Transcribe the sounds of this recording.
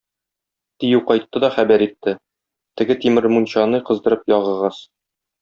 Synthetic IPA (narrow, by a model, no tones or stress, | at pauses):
t̪ijɘwqɒjt̪ːɤd̪ɒχæbæɾit̪ːɘ | t̪ɘ̆ɡɘt̪imɘɾmunɕɑnɤqɤ̆zd̪ɤ̆ɾɤpjɒʁɤ̆ʁɑs